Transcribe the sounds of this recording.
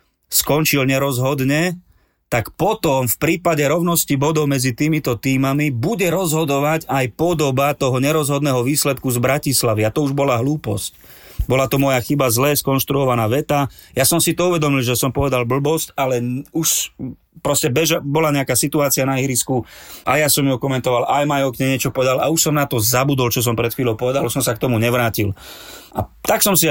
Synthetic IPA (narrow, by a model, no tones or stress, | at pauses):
skɔnt͡ʃilɲɛɾɔzɦɔd̪ɲɛ | t̪akpɔt̪ɔmfpɾiːpaɟɛɾɔʊnɔscibɔd̪ɔʊmɛd͡zit̪iːmit̪ɔt̪iːmamibuɟɛɾɔzɦɔd̪ɔʋacajpɔd̪ɔbat̪ɔɦɔɲɛɾɔzɦɔd̪nɛːɦɔʋiːslɛt̪̚kuzbɾacislaʋiat̪ɔuʒbɔlaɦluːpɔ̰sc | bɔlat̪ɔmɔjaxibazlɛskɔnʃt̪ɾuɔʋanaːʋɛt̪ajasɔmsit̪ɔuʋɛd̪ɔmilʒɛsɔmpɔʋɛd̪albl̩bɔscalɛuʃ | pɾɔscɛbɛʒabɔlaɲɛakaːsit̪uaːt͡sianaɦiːɾiskuajasɔmjɔkɔmɛnt̪ɔʋalʔajmajɔkɲɛɲɪɛt͡ʃɔpɔʋɛd̪alauʃsɔmnat̪ɔzabud̪ɔlt͡ʃɔs̬ɔmpɾɛt̪xʋiːlɔʊpɔʋɛd̪aluʃsɔmsak̚t̪ɔmuɲɛʋɾaːcila̰t̪aksɔmsi